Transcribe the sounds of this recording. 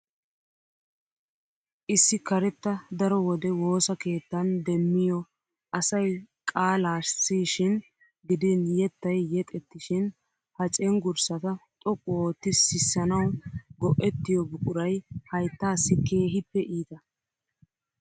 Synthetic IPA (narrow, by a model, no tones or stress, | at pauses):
ʔɪsːɪkɐɾɛt̪ːɐd̪ɐɾɔwɔd̪ɛwo̞ːsɐke̞ːt̪ːɐnd̪ɛmːɪjɔ | ʔɐsɐj | kʼaːlaːsiːʃɪn | ɡɪd̪ɛnjɛt̪ːɐjːɛt̪ʼɛt̪ːɪʃɪn | hɐt͡ʃʼɛnɡʊɾsɐt̪ɐt̪ʼɔkʼːʊoːt̪ːɪɪsːɐnɐwɡɔʔɛt̪ːɪjɔbʊkʼʊɾɐjhɐjt̪ːaːsːɪke̞ːɦɪpːɛʔiːt̪ɐ